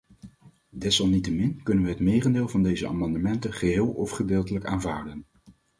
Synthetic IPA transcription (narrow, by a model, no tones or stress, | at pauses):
dɛsɑlˠnitəmɪnkɵnənʋəɦətmeːrəndeːlˠvɑndejzəa̰ːmɑndəmɛntəχəɦɪːlˠɔfχədɪːlˠtələkaːnvaːɹdən